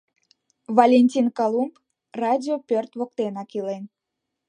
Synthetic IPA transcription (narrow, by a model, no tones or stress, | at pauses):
valʲenʲtʲinkɑlˠump | rɑdʲiopʲørt̪βok̚t̪enɑkilen